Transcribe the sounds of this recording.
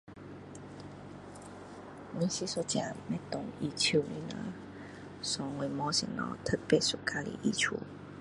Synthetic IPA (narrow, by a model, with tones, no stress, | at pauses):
wĩ˧˦si˧˦so˧t͡ɕjã̰˨mɛ̃˧˦t̪ʊ˨ŋi˧t͡ɕʰi˧˨i˧˦na̰˧˦ | sɔ˨˦we˧mɔ̃˧˦sḭ˨nɔ̰̃˧t̪ʰə˦˧t̪̚pe˦˧˨su˨ka˧lḭ˧˨ʔi˧t͡ɕʰṵ˧˦